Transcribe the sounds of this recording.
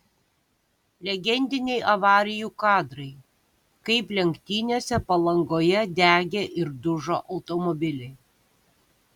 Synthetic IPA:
lʲɛɡʲɛnʲd̪ʲɪnʲɛɪʔɐʋɑːɾʲɪjuːkɑːd̪ɾɐɪ | kɐɪplʲɛŋʲkt̪ʲiːnʲoːsʲɛpɐlˠɐŋɡoːjɛd̪ʲæːɡʲeːʔɪɾd̪ʊʒo̰ːʔɒʊt̪ɔmɔbʲɪlʲɛɪ

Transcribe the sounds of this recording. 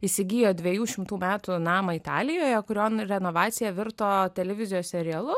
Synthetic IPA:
isʲɪɡʲiːjoːd̪ʲʋʲɛjuːʃʲɪmt̪uːmʲæːt̪unɑːmɐɪt̪ɑ̰ːlʲɪjoːjɛkʊɾʲoːnɾʲɛnoːʋɑːt̪sʲɪjɛʋʲɪɾt̪oːt̪ʲɛlʲɛʋʲɪzʲɪjoːssʲɛɾʲɪɛlˠʊ

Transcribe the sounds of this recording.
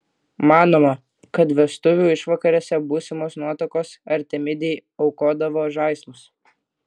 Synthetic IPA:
mɑːnoːmɐ | kɐt̪ʋʲɛst̪ʊʋʲuːɪʃʋɐkɐɾʲoːsʲɛbuːsʲɪmoːsnuɔt̪ɐkoːsɐɾʲt̪ʲɛmʲɪd̪ʲɛjɐʊkoːd̪ɐʋoːʒɐɪsmʊs

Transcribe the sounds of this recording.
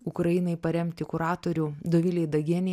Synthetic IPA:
ʊkɾɐjɪnɐɪpɐɾʲɛmʲt̪ʲɪkʊɾɑːt̪oɾʲud̪oʋʲɪlʲɛɪd̪ɐɡʲɛnʲɪ

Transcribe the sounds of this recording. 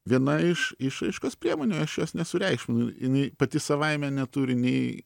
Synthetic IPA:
ʋʲiɛnɐɪʃɪʃɐɪʃkoːspʲɾʲiɛmoːnʲoːɐʃjoːsnʲɛsʊɾʲɛɪkʃʲmʲɪnʊjɪnɐɪpɐt̪ʲɪsɐʋɐɪmʲɛnʲɛt̪uɾʲɪnʲɛɪ

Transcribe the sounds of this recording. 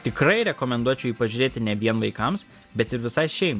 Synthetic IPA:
t̪ʲɪkɾɐɪɾʲɛkoːmʲɛnd̪uɔt͡ʃʲɛʊiːpɐʒʲʊɾʲeːt̪ʲɪnʲɛʋʲiɛnʋɐɪkɐms | bʲɛt̪ɪɾʋʲɪsɐɪʃʲɛɪm

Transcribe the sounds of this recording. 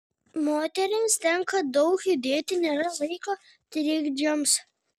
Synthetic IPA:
moːt̪ʲɛɾʲɪmst̪ʲɛŋkɐd̪ɐʊkjud̪ʲeːt̪ʲɪnʲeːɾɐlˠɐɪkoː | t̪ʲɾʲɪɡd͡ʒʲoːms

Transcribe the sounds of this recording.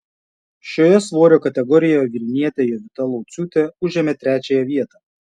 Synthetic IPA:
ʃʲoːjɛsʋoːɾʲoːkɐt̪ʲɛɡɔɾʲɪjojɛʋʲɪɾʲɪnʲiɛt̪ʲejɛʋʲɪt̪ɐlˠɔʊt̪sʲuːt̪ʲeʊʒʲeːmʲeːt̪ʲɾʲæːt͡ʃʲæːjɛʋʲiɛt̪ɑː

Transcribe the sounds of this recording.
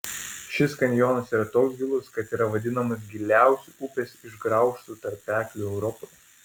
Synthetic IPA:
ʃʲɪskɐnʲjɔːnɐsiːɾɐt̪oːksɡʲɪlˠʊskɐt̪iːɾɐʋɐd̪ʲɪnɐmɐs̬ɡʲɪlʲæˑʊsʲuʔupʲɛsɪʒɡɾɐˑʊʃt̪ut̪ɐɾpʲːæːkʲlʲuɛʊɾɔpoɪ

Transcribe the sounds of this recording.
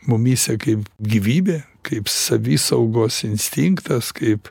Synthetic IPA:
mʊmʲiːsʲɛkɐɪpɡʲiʋʲiːbʲeː | kɐɪpsɐʋʲiːsɐʊɡoːsɪnʲsʲt̪ʲiŋkt̪ɐskɐɪp

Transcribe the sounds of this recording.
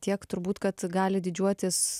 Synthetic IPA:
t̪ʲiɛkt̪ʊɾbuːt̪kɐt̪ɡɑːlʲɪd̪ʲɪd͡ʒʲuɔt̪ʲɪs

